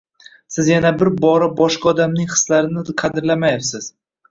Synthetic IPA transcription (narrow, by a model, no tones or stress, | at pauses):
sɪzjanabɪɾbɒɾabɒʃqʰɑɒd̪amnɪŋχɨ̥slaɾɪnɪqʰɑd̪ɪɾlamajɪfsɪz̥